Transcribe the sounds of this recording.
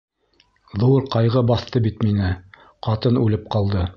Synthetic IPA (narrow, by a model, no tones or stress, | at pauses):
ðuɾqɑjʁɤbɑθt̪ɤbit̪minɘ | qɑt̪ɤnʉlɘp̚qɑlˠd̪ɤ